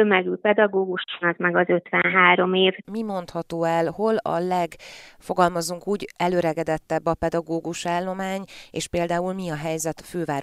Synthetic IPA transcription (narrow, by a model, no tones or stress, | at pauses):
ømɛɡylpɛd̪ɒɡoːɡuʃnɒzmɛɡɒzøt̪ʋɛnɦaːɾo̞meːvmimo̞nt̪hɒt̪oːɛlho̞lɒ̰lɛɡfo̞ɡɒlmɒzuŋkuːɟɛløɾɛɡɛd̪ɛt̪ːɛbːɒpɛd̪ɒɡoːɡuʃaːlːo̞maːɲḛːʃpeːld̪aːulmiɒɦɛjzɛt̪føːvaːɾ